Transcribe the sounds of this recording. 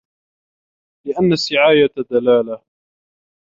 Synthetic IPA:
lɪʔanːasːɪʕaːjad̪alaːla

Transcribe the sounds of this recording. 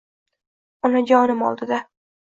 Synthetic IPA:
ʊnad͡ʒɒnɪmɒ̰lˠd̪ɪd̪a

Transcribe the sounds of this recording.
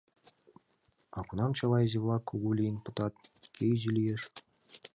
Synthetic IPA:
ɑkunɑmt͡ɕɑlˠɑjzʲivlˠɑkʰuɡulʲinʲpɤ̆t̪ɑt̪̚kʰʲejʑilʲijeʃ

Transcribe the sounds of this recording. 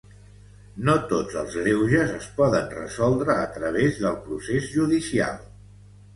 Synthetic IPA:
not̪od͡zəlˠzɣɾewʒəzəspɔðənrə̰zɔlˠd̪ɾəːt̪ɾəβ̞ezðəlˠpɾusezʒuðisia̰lˠ

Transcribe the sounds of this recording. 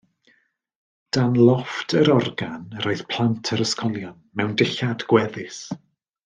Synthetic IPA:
d̥anlˠɔftʰəɾɔrɡanrɔɨð̥pʰl̥ˠantʰəɾəskʰɔlˠjɔnmɛwndɪɬadɡ̥wɛðɪs

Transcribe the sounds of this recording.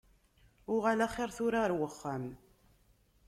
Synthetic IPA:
ʊʁalaχɪɾθʊɾaɾwəχːam

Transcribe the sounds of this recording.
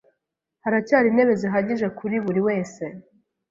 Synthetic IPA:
haɾacaːɾine̞βe̞ziɦaɟiʒe̞kʰuɾiβuɾiwe̞ːse̞

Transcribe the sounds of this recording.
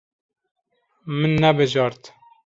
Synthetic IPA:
mɨnːɛbɨʒɑːɾt̪

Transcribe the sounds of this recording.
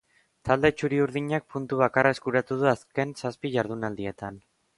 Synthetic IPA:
t̪ald̪e̞t͡ʃuɾiuɾðiɲak̚punt̪uβ̞akarae̞skuɾat̪uð̞uaske̞nsaspiʝaɾðunald̪ie̞t̪an

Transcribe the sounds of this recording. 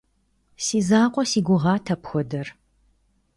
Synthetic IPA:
siːzaːqʷʼɔsiːɡʷʊʁɑːtʰɐpxʷɔdɐr

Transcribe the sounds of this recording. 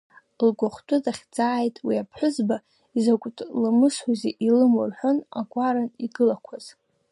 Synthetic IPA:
lɡʷaχʷtʼʊdaχʲd͡zʼaːjtʼwiapʰħʷʊzba | izakʷʼtʼlɨmɨsħʷuzeʔilɨmo̰rħʷona̰ɡʷʼaɾaniɡɨlakʷʰaz̥

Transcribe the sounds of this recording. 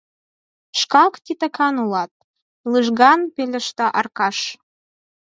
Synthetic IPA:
ʃkɑkt̪it̪əkʰɑnulɑt̪̚ | lɨʒɣɑnpelʲɘ̆ʃt̪ɑʔɑrkɑʃ

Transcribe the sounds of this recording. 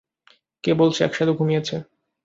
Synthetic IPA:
kebolt͡ɕʰeɛ̰kʃad̪uɡʱumiet͡ɕʰe

